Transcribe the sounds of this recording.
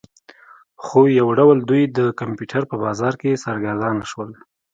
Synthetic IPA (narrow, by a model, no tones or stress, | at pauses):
xojawɖawld̪ujd̪əkampjuʈʰaɾpəbɑzɑɾkesaɾɡaɾd̪ɑnaʃwəl